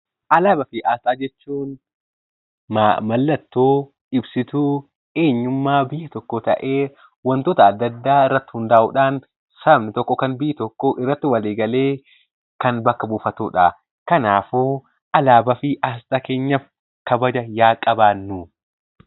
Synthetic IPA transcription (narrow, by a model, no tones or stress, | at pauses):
ʔɐlaːbɐfɪʔaːsaːd͡ʒɛt͡ʃːuːn | mɐlːɐt̪ːoː | ɪbsɪt̪u | e̞ːɲːʊmːaːbɪjːɐt̪ɔkːɔt̪ɐ̰ʔe̞ː | wɐnt̪oːt̪ɐːd̪ːɐd̪ːaːɪrːɐt̪ːɪ̥hʊnd̪aːʔʊ̰ᶑaːn | sɐbnɪt̪ɔkːɔkɐnbɪʔɪt̪ɔkːoʔɪrːɐt̪ːɪwɐleːɡɐle̞ː | kɐnbɐkːɐbuːfɐt̪uːᶑa | kɐnaːfoː | ʔɐlaːbɐfɪʔɐs̬t̪ʼɐke̞ːɲːɐf | kɐbɐd͡ʒɐjaːkʼɐbaːnːʊ